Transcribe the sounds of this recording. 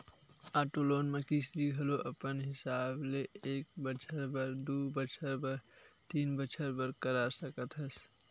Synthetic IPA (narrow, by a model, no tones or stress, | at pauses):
aːʈoloːnmẽkɪsbiɡʱɐloʔəpənɦɪsaːbleeːk̚bət͡ʃʰəɾbəɾd̪uːbət͡ʃʰəɾbəɾt̪iːnbət͡ʃʰəɾbəɾkəɾaɾsəkət̪ɦəs